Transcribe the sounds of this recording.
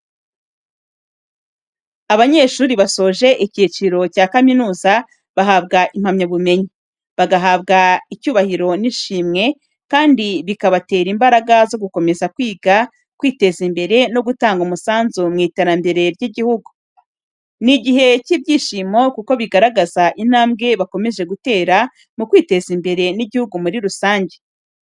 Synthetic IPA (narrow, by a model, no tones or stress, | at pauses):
aβaɲe̞ːʃuːɾiβaso̞ːʒe̞ʔicit͡ʃiɾo̞caːkaminuːza | βaɦabɡaʔim̥hamɲaβume̞ɲi | βaɡaɦabɡaicuːβahiɾo̞niʃiːmŋe̞ | kaːndiβikaβate̞ːɾimbaɾaɡazo̞ɡuko̞me̞zakwiːɡa | kwiːte̞zimbe̞ɾe̞no̞ɡutaːŋɡumusaːnzumŋiːteɾambe̞ɾeɾɟiɟihuɡu | niɟiɦe̞cibɟiːʃimo̞kuko̞βiɡaɾaɡazaʔin̥aːmɡe̞βako̞me̞ʒe̞ɡute̞ːɾa | mukwiːte̞zimbe̞ɾe̞niɟihuɡumuɾiɾusaːɲɟe̞